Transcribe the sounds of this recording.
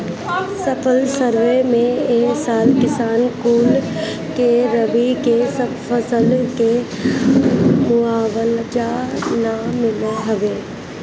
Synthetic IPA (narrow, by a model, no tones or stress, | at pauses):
səpʰəlsəɾʋemẽeːksaːlkɪsaːnkuːl | keɾəʋikesəbfəsəlke | mʊaːʋəld͡ʒanamɪlɦɐʋeː